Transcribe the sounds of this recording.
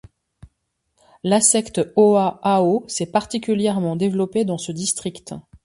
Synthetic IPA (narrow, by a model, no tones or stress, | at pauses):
lasɛkt̪ɔaaosɛpaʁt̪ikʲyljɛʁmɑ̃d̪evlɔped̪ɑ̃səd̪ist̪χikt̪